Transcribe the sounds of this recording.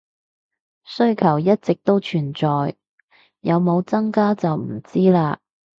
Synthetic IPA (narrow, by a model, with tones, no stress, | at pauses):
sɵ˥ɥkʰɐ˨˩wjɐ˥t̚t͡sɪ˨k̚t̪o˥wt͡ʃʰyː˨˩nt͡sɔː˨j | jɐ˨˧wmo˨˧wt͡sɐ˥ŋkaː˥t͡sɐ˨wm̩˨˩t͡siː˥laː˧